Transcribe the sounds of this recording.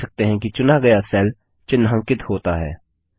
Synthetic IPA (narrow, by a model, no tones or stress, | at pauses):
ɐk̚t̪eɦɛ̃kit͡ʃʊnaɡɐjasɛːl | t͡ʃɪnːɦɐ̃ŋkɪt̪hoːt̪aɦɛ̰ː